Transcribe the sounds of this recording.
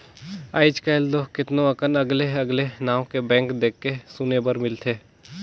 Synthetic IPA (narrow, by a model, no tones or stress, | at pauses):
a̰ːɪt͡ʃkeːld̪okɪt̪nõɐkənɐɡleɐɡlenãːõkebɛ̃ːŋkd̪eːkːesunebəɾmɪlt̪ʰeː